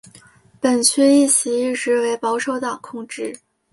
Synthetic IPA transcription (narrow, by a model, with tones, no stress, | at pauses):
pə˨˩nt͡ɕʰy˥˧i˥˩t͡ɕʰi˧˥i˥˩ʈ͡ʂɻ̩˧˥we˧˥ɪpɑ˧˥ʊʂo˧˥ʊt̪ɑ˨˩ŋkʰʊ˥˧ŋʈ͡ʂɻ̩˥˩